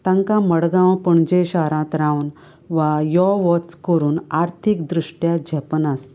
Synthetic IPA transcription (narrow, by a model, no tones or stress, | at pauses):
t̪ãŋkãməɽɡãwpəɳd͡ʑẽɕaɾãt̪ɾãwn | ʋajɔʋɔt͡skəɾuːnaɾt̪ʰikd̪ɾuʂʈjad͡ʑʱəpənas